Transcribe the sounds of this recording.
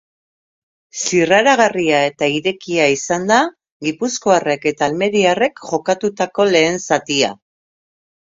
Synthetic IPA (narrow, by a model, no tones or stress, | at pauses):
siraɾaɣ̞ariae̞t̪aiɾe̞kiaisand̪a | ɣipusko̞are̞ke̞t̪aːlme̞ɾiare̞kʝo̞kat̪ut̪ako̞le̞ːnsat̪ia̰